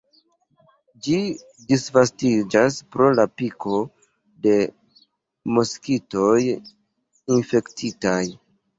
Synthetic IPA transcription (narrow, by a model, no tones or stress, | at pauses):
d͡ʒi | disvastid͡ʒaspɾo̞lapikʰo̞ | de̞ | moskito̞j | infe̞ktʰitaj